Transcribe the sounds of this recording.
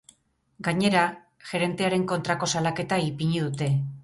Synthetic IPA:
ɡaɲe̞ɾa | ʝe̞ɾe̞nt̪e̞aɾe̞ŋko̞nt̪ɾako̞salake̞t̪aipiɲeðut̪e̞

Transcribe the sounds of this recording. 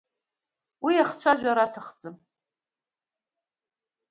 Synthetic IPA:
wiaχt͡sʷʰaʒʷᶣaɾatʰaχd͡zɨm

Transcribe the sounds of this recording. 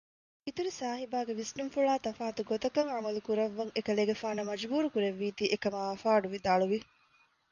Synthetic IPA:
it̪uɾisaːɦibaːɡeʋisnumfuɭaːt̪ɐfaːt̪uɡot̪ɐkɐŋʕamɐlukuɾɐʋːɐŋekɐleːɡefaːnɐmɐd͡ʒbuːɾukuɾeʋːiːt̪iːʔekɐmaɐfaːɖuʋid̪aːɭuʋi

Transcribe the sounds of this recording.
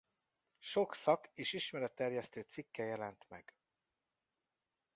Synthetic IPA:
ʃo̞ksɒkeːʃiʃmɛɾɛt̪ːɛrjɛst̪øːt̪sikːɛjɛlɛnt̪mɛ̰ɡ̥

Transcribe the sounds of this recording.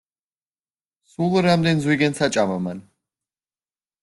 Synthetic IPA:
sulˠɾamd̪ɛnzwiɡɛnsat͡ʃʼamaman

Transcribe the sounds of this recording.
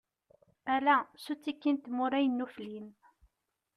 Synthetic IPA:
ælæsut͡sːikːint̪mʊɾæjənːuflin

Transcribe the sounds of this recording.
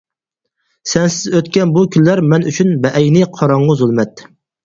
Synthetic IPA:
sɛnsɪzøt̪kʲɛnbukʲʰynlæɾmɛnyt͡ʃʰynbɛʔɛjnɪqʰɑɾɑɴʁʊzulˠmɛt̪

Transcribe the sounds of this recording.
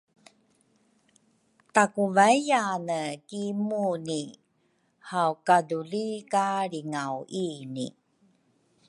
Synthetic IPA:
takuvajjanəkimuni | hawkadulikaɾiŋawinḭ

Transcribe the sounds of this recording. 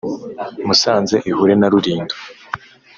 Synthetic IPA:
musaːnze̞ʔihuɾe̞naɾuɾiːndo̥

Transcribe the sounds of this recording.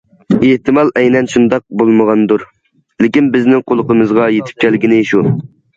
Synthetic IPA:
eht̪ɨmɑlˠʔɛjnɛnʃund̪ɑq̚bolˠməʁɑnd̪uɾ | lɪkʲinbɪznɪŋqʰolˠəqəmɨzʁɑjet̪ʰɪ̥p̚kʲʰælɪɡʲinɪʃu

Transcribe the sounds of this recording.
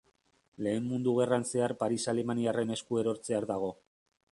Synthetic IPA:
le̞ːmmund̪uɣe̞ranse̞aɾpaɾisale̞maniare̞ne̞skue̞ɾo̞ɾt͡se̞aɾd̪aɣ̞o̞

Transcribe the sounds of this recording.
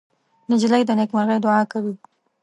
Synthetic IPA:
nɪd͡ʒlajd̪ənekmaɾɣəjd̪ʊɑkawi

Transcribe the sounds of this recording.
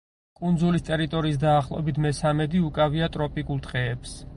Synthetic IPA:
kʼund̪zulist̪ʼɛɾit̪ʼɔɾiːs̬d̪aːχlˠɔ̰ɛbit̪ʰmɛsamɛd̪iukʼaviat̪ʼɾɔpʼikʼulˠt̪ʁɛːps

